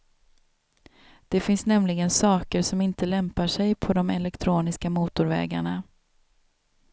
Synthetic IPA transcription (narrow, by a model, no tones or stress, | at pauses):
d̪̥ɛfɪnsnɛmlɪɡənsɑːkəɾʂɔmɪnt̪əlɛmpaʂɛjpʰɔd̪ɔmɛlɛkt̪ʰɾuːnɪskamuːt̪ʊɾvɛ̰ːɡa̰ɳa